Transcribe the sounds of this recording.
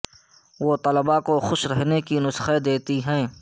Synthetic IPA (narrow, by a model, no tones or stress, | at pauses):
ʋot̪ɐləbakoxʊʃɾɛɦnekinʊsxed̪eːt̪iɦɛ̃ː